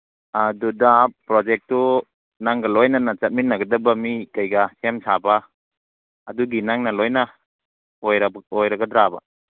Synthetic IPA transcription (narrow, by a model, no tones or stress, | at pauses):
adudapːɾɔd͡ʒek̚tu | naŋɡɐlojnanat͡ʃɐt̚minːaɡɐdɐbamikajɡasemsabaː | duɡinaŋnɐlojna | ojɾɔjɾaɡɐdɾaba̰